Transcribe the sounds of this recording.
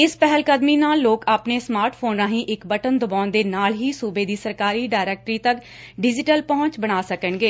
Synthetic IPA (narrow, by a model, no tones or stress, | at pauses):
ɪspɛɦəlkəd̪miːnaːlːoːkaːpneːsmaːɾʈpʰoːnãːɦĩːʔɪkbəʈənd̪ʊbaːnd̪eːnaːlɦiːsuːbeːd̪iːsəɾkaːɾiːɖaːɪɾɛːk̚ʈɾiːt̪ək | ɖɪd͡ʒɪʈəlpɔɦʊ̃nt͡ʃbəɽ̃aːsəkəɳɡeː